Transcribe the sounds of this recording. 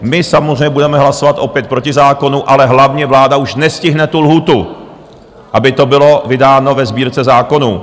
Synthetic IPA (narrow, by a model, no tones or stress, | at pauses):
mɪsamozɾrɛɲɛbudɛmɛɦlaso̞vat̪ʔo̞pjɛt̪̚pɾocɪzaːko̞nuʔalɛɦlavɲɛvlaːdauʃnɛscɪɦnɛt̪ulɦuːt̪u | ʔabɪt̪o̞bɪlo̞vɪdaːno̞vɛzbiːɾt͡sɛzaːko̞nu